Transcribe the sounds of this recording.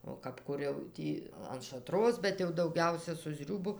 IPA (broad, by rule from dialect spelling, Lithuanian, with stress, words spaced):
oː kɐp ˈkʊr jɛʊ ˈtʲiː ɐn ʃɐˈtroːs bʲɛt jɛʊ dɐʊˈɡʲɛʊsʲɛ sʊ ˈzʲrʲuːbʊ